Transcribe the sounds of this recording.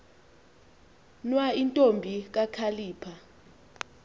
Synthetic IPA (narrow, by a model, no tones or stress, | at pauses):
nwaintʼombʱik̬akʰaliːpʰa